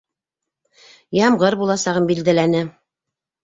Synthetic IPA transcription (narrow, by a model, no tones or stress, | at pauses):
jɑmʁɤɾbulˠɑsɑʁɤmbild̪ælænɘ